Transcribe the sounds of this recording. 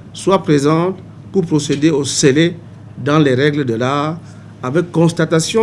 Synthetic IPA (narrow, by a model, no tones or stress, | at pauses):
swapχezɑ̃t̪ | puʁpʁosed̪eosele | d̪ɑ̃lɛʁɛɡləd̪əlaʁ | avɛkːɔ̃st̪at̪asjɔ̃